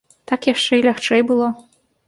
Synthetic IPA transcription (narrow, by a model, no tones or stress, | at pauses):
t̪akjaʂt͡ʂɛilʲaxt͡ʂɛjbɨlˠɔ